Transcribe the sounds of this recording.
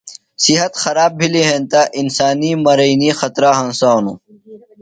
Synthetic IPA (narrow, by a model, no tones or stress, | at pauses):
siɦɐt̪xɐɾaːb̚bʱiliɦẽnt̪aʔinsaːniːmɐɾɐinixɐt̪ɾaːɦɐnsaːnṵ